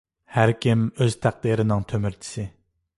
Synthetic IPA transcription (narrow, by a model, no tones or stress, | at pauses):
hæɾkʲʰimøz̥t̪ʰæq̚d̪iɾɪnɪŋt̪ʰømyɾt͡ʃ̪ʰɪ̥sɪ